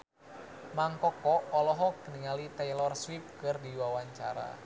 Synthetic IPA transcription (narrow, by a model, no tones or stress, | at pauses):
maŋkɔkɔʔɔlɔɦɔkːəniŋalit̪ɛjlɔrswip̚kɨrdiwawaɲt͡ʃaɾa̰